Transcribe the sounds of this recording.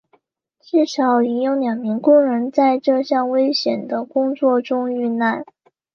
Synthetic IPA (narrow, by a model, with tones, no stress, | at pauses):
ʈ͡ʂɻ̩˥˩ʂɑ˧˥ʊi˧˥njʊ˧˥ʊljɑ˨˩ŋmi˧˥ŋkʊ˥ŋɻə˧˥nt͡sa˥˧ɪʈ͡ʂɤ˥˧ɕjɑ˥˩ŋwe˥ɪɕjɛ˨˩nd̪ə˦kʊ˥ŋt͡swɔ˥˩ʈ͡ʂʊ˥ŋy˥˧na˥˩n